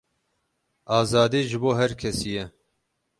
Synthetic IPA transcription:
ʔɑːzɑːd̪iːʒɨboːɦɛɾkʰɛsijɛ

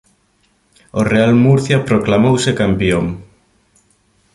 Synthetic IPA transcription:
orealmuɾθjapɾoklamowsekampjoŋ

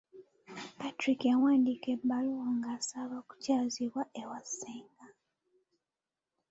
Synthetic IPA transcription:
patɾikawaːndikebalowaŋɡaːsaβaku̥caːziβwaʔewaseːŋɡa

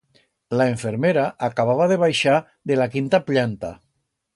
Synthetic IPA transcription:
laeɱfeɾmeɾaʔakaβ̞aβ̞aðeβ̞ajʃa | ðelakint̪apʎant̪a̰

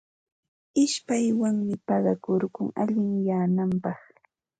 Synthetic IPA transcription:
ɪʃpajwaŋmɪpɑɢɑkoɾkʊŋaʎɪŋjaːnampɑχ

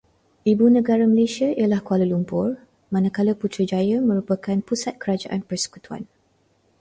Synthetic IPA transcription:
ʔibunə̃ɡaɾaməlesiaijəlahkualəlumpʊr | mãnãkaləput̪ɾəd͡ʒajəmə̃ɾupəkanpusat̪̚kəɾad͡ʒa̰ʔanpərsə̥ku̥t̪ua̰n

